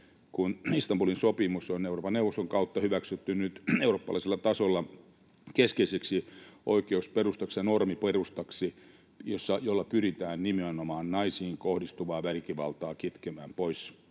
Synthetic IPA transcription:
kunist̪ɑmbulinsopimusoneuroːpɑnnewʋˑost̪oŋkɑut̪ːɑhyʋæksyt̪ːynnyt̪euroːpːɑlɑ̰iselːɑt̪ɑsolːɑ | keskeiseksiʔoikeusperust̪ɑksjɑnormiperust̪ɑksi | josːɑjolːɑpyrit̪æːnnimiɑnomɑːnnɑisiːŋkohdist̪uʋɑːʋælkiʋɑ̰lt̪ɑːkit̪kemæːmpois

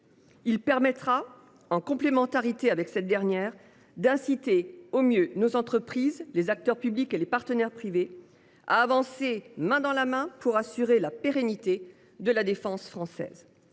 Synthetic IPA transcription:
ilpɛʁmɛt̪χa | ɑ̃kɔ̃plemɑ̃t̪aʁit̪eavɛksɛt̪̚d̪ɛʁnjɛːʁ | d̪ɛ̃sit̪eomjønozɑ̃t̪χəpχizlezak̚t̪œʁpyblikelepaʁt̪ənɛʁpχive | a̰ːvɑ̃semɛ̃d̪ɑ̃lamɛ̃puʁasyʁelapeʁenit̪e | d̪əlad̪efɑ̃sfχɑ̃sɛ̰ːz

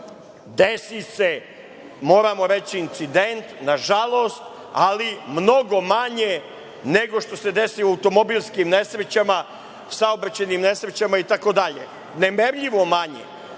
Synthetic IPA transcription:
d̪esise | mo̞ːɾamo̞ɾet͡ɕiːnt̪sid̪ent̪naʒalˠo̞ːst̪ | alimno̞ɡo̞maɲe | neɡo̞ʃt̪o̞se̞d̪e̞siuaut̪o̞mo̞bilʲˠskimne̞sɾet͡ɕama | saobɾat͡ɕenimne̞sɾet͡ɕamait̪ako̞d̪aʎḛ | ne̞meɾʎiʋo̞maɲḛ

